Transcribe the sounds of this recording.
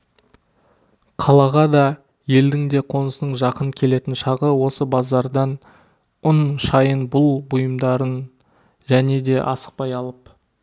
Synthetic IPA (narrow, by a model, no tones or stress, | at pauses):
qʰɑlˠɑʁɑd̪ɑ | je̞ld̪ɪŋd̪e̞qʰo̞nəsənəɴʒɑqəɴkʲʰe̞le̞t̪ɪnʃɑʁəwo̞səbɑzɑɾd̪ɑn | ʊnʃɑjənbʊlˠbʊjəmd̪ɑɾən | ʒæne̞d̪e̞ʔɑ̰sə̥q̚pɑjɑlˠəp